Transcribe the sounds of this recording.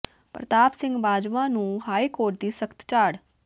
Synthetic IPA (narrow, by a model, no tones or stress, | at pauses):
pɾət̪aːpsɪ̃ŋɡʋaːd͡ʒʋãːnũːɦaːikoːɾʈ̚d̪iːsəkt̪t͡ʃaːɽ